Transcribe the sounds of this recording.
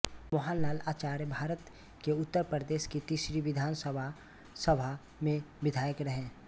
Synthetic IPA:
mɔɦaːnlaːlaːt͡ʃaːɾjəbʱaːɾət̪ | keʊt̪ːəɾpɾəd̪eːʃkit̪iːsɾiʋɪd̪ʱaːnsəbʱa | səbʱa | mẽʋɪd̪ʱaːjəkɾəɦẽː

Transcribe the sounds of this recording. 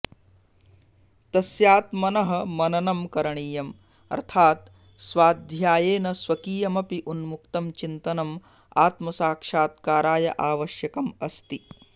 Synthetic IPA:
t̪ɐsjaːt̪mɐnɐɦɐ̆mɐnɐnɐmkɐɾɐɳiːjɐm | ɐ̰ɾt̪ʰaːt̪ | sʋaːd̪ʱjaːjeːnɐsʋɐkiːjɐmɐpiʔunmuk̚t̪ɐmt͡ʃint̪ɐnɐm | aːt̪mɐsaːkʂaːt̪kaːɾaːjɐ̰ʔaːʋɐʃjɐkɐmɐst̪i

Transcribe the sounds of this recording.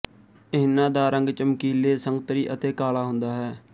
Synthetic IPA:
ɪːnãːd̪aːɾəŋɡt͡ʃəmkiːleːsəŋɡ̚t̪əɾiːʔət̪eːkaːlaːɦʊ̃nd̪aːɦɛː

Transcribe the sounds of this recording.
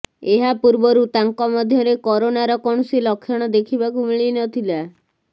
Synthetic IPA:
eɦapuɾbɔɾut̪aŋkɔmɔd̪ʱjɔɾekɔɾonaɾɔkɔɳ̃ɔsilɔkʰːjɔɽ̃ɔd̪ekʰibakumiɭinɔt̪ʰila

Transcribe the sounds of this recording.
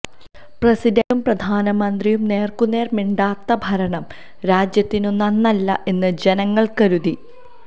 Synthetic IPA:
prɐsid̪ɐumprɐd̪ʱaːnɐmɐnd̪rijumne̞ːrkunːe̞ːrmiɳɖaːt̪ːɐbʱɐɾɐɳɐm | ɾaːd͡ʑjɐt̪ːinonːɐnːɐlːɐ̰ʔe̞nːɨd͡ʑe̞nɐŋːɐɭkɐɾuði

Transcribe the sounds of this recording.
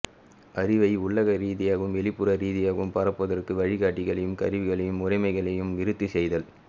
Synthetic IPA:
ʔɐɾɪʋɐɪʊɭːɐɣɐɾiːðɪjaːɣɯmʋɛɭɪpːɯɾɐɾiːðɪjaːɣɯmpɐɾɐpːɐðɐrkɯʋɐɻɪɣaːʈːɪɣɐɭɐjɯmkɐɾɪʋɪɣɐɭɐjɯmʊrɐɪmɐɪɣɐɭɐjɯmʋɪɾɯt̪ːɯsɛjðɐl

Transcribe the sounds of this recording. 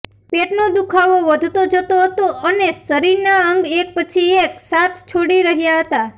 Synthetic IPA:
peʈnod̪ukʰaʋoʋəd̪ʱt̪od͡ʒət̪oɦət̪oʔənesəɾiɾnaəŋɡek̚pət͡ʃʰieksat̪ʰt͡ʃʰoɽiɾəɦjaɦət̪a

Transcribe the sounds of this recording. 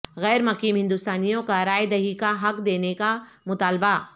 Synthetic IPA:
ɣɛːɾmɐkiːmɦɪ̃nd̪ʊst̪aːnijõkaɾaːed̪ɐɦikaɦɐkd̪eːneka | mʊt̪aːlba

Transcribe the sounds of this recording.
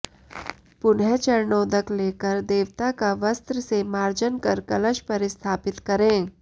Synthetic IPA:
pʊnɦet͡ʃɐɾɳoːd̪əkleːkəɾd̪eːʋt̪akaʋəst̪ɾəsemaːɾd͡ʒənkəɾkɐləʃpɐɾɪst̪ʰaːpɪt̪kɐɾẽː

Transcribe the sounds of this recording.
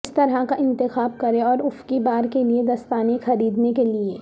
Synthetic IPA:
st̪ɐɾɦakaɪ̃nt̪ɪxaːb̚kɐɾeɔːɾʊfkibaːɾkelied̪ɐst̪aːnexɐɾiːd̪nekelieː

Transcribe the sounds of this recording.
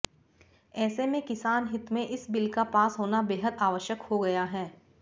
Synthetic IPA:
ɛːsemẽkɪsaːnɦɪt̪mẽʔɪsbɪlkapaːsɦoːnabeːɦəd̪aːʋəʃjəkhoɡɐjaɦɛː

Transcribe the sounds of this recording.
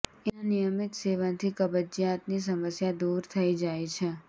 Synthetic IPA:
eãnijəmɪt̪seʋant̪ʰikəbəd͡ʒijat̪nis̬əməsjad̪uɾt̪ʰəid͡ʒajt͡ʃʰe

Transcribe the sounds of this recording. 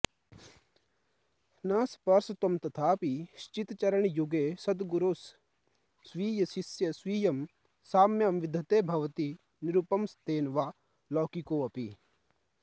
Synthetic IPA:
naːspɐɾst̪omt̪ɐt̪ʰaːpiʃt͡ʃit̪t͡ʃɐɾəɳ̃juɡesɐd̪ɡuɾoːsː | ʋiːjɐsisjɐsʋiːjɐm | saːmjamʋɪd̪ʱːɐt̪eːbʱɐʋt̪i | niɾupɐmst̪eːnʋaː | lɔːkikoːɐpḭ

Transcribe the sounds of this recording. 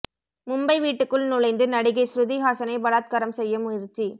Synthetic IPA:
mʊmbɐɪʋiːʈːɯkːɯɭnʊlɐɪnd̪ɯnɐɽɪɣɐɪsɾʊðiɦaːsɐnɐɪbɐlaːt̪̚kɐɾɐmsɛjːɐmʊjɪɾt͡ʃːi

